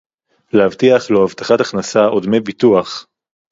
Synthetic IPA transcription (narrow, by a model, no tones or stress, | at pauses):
lehavt̪iaχloavt̪aχat̪aχnasaod̪mejbituaχ